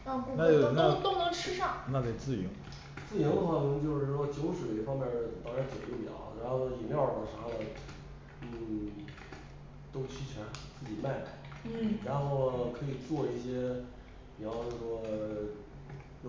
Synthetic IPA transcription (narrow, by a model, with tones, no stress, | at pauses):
a˥˧ku˥na˥˨˧na˥t̪o˥ʊnɤ˧˥ŋʂɻ̩˥˧ʂɑ˥˩ŋna˥˩ke˨˩ɪt͡sɹ̩˥˩i˧˥ŋ | t͡sɹ̩˥˩ji˧˥ŋd̪ə˧xwa˥˩ni˧˥ŋt͡ɕjo˥˧ʊʂɻ̩˥˩ʂwɔ˥t͡ɕjo˧˥ʊʂwe˨˩ɪfɑ˥ŋmjɛ˥˩n˧˥˩t̪ɑ˥ŋʂa˧˥t͡so˨˩jo˥˩mjɑ̰˨˧˩ʊɻa˧˥nxo˥˧˥i˨˩ljɑ˥˩ʊ˩t̪ə˧˨˩ʂa˧˥lə˨˩ | n̩˥˩ | t̪o˥ʊt͡ɕʰi˥t͡ɕʰa˧˥t͡sɹ̩˥˩t͡ɕi˨˩ma˥˩ɪma̰˨˩˦n̩˥˩ɻa˧˥nxo˥˩ʊkʰɤ˧˥i˨˩t͡swɔ˥˧i˥˩ɕjɛ˥ | pi˨˩ɑ˧˥ʊo˥˩ʂwɔ˥ | jo˥˩